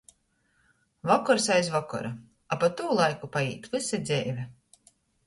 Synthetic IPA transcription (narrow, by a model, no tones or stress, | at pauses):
vɔkɔɾsajsvɔkɔ̰ɾa | apat̪ːuːlˠajkupaḭːt̪vɨsʲɛd̪zʲɛjvʲɛ